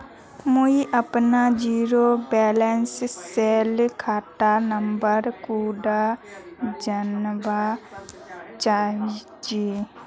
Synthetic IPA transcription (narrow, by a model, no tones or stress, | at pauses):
moiʔəpnad͡ʒiːɾobɛːlenssɛlkʰaːʈanəmbəɾkuːɖa | d͡ʒənba | t͡ʃaːi | d͡ʒe